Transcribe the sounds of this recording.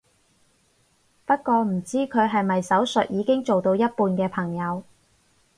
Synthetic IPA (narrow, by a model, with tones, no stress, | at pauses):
pɐ˥t̚kɔː˧m̩˨˩t͡siː˥kʰɵ˨˧ɥɦɐ˨jmɐ˨jsɐ˨˥wsɵ˨t̚jiː˨˧kɪ˥ŋt͡ʃo˨wt̪o˧wjɐ˥t̚puː˧nkɛː˧pʰɐ˨˩ŋjɐ˨˧w